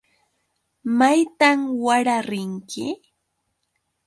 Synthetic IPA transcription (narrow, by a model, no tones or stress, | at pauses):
majt̪amwaɾaɾɪŋkʰɪ